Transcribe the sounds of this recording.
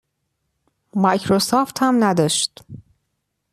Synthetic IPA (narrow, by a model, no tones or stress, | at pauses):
mɒjcʰɾosɒːft̪hæmnæd̪ɒːʃt̪